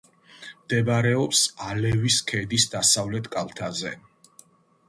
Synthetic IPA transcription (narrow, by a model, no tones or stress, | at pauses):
md̪̥ɛbaɾɛɔpsalɛviskʰɛd̪isd̪asavlɛt̪ʰkʼalˠt̪ʰazɛ